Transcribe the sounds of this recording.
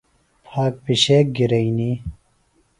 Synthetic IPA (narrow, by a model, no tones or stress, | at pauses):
pʰaːk̚piɕeːk̚ɡiɾɐini